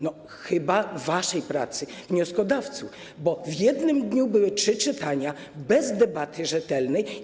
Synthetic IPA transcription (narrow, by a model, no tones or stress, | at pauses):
nɔ | xɘbavːaʂɛjpɾa̰t̪sɘvɲɔskɔd̪aft̪suf | bɔvjɛd̪nɘmd̪ɲubɘwɘtʂɘt͡ʂɘt̪aɲa | bɛzd̪ɛbat̪ʰɘʐɛt̪ɛlnɛj